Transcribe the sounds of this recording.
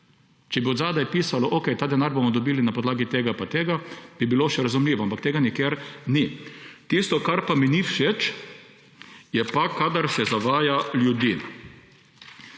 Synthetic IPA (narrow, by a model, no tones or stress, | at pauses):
t͡ʃɛbiod̪zaːd̪ajpiːsalɔʔokɛjt̪aːd̪ɛnaɾbomɔd̪ɔbiːlinapɔd̪laːɡit̪eːɡapat̪eːɡab̥ibiloʃɛɾazumliːʋɔampakt̪eːɡanikeːɾnit̪ist̪ɔkaɾpaminifʃet͡ʃ | jɛpakad̪aɾsɛzaʋaːjaljud̪in